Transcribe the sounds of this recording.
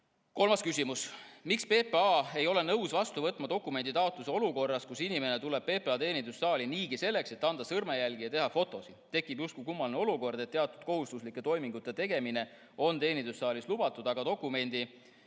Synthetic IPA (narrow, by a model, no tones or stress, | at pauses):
ko̞lmɑskysʲimusmikspe̞ːpeɑːe̞jo̞le̞nɤwsvɑst̪uvɤt̪ːˑmɑt̪o̞kːˑume̞nd̪̥it̪ɑot̪luseo̞luko̞rːɑskusinime̞ne̞t̪ule̞b̥̚pe̞ːpeɑt̪e̞ːnʲind̪̥usːɑːlʲiniːɡise̞lːe̞kse̞t̪ːˑɑnd̪̥ɑsɤrmejælɡ̥ijɑt̪e̞ɦɑfo̞t̪ːˑo̞sit̪e̞kːˑibjust̪kukumːɑlneo̞luko̞rd̪e̞t̪ːeɑt̪ːˑud̪̥̚ko̞ɦust̪uslikːˑe̞t̪o̞jmiŋɡ̥ut̪ːˑe̞t̪e̞ɡ̥e̞mine̞ | o̞nt̪e̞ːnind̪̥usːɑːlislub̥ɑt̪ːˑud̪̥ɑɡ̥ɑt̪o̞kːˑume̞nʲd̪̥i